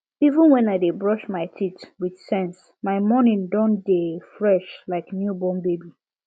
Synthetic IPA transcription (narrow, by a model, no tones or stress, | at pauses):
ivə̃nwɛ̃naɪdebɹɔʃmaɪtʰitwid̥sɛ̃ns | maɪmɔnĩndɔ̃ndefɹɛʃlaɪknjubɔ̃mbebi